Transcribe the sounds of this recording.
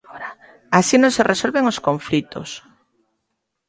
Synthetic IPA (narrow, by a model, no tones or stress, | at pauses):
ɾa | asinõŋserʔesolβeŋoskoɱflit̪o̰s